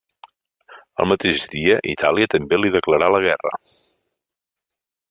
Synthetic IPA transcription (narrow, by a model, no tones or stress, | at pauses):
ə̰lˠmət̪eʒðiəʔit̪ʰaliət̪əmbeliðəkləɾaləɣɛrə̰